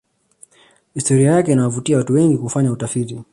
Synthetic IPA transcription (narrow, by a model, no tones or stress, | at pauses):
histɔɾiajakɛinawavutiawatuwɛŋɡikufaɲautafiti